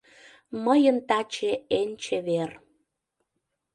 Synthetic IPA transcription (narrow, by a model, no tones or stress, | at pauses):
məjənt̪ɑt͡ɕeenʲt͡ɕeβer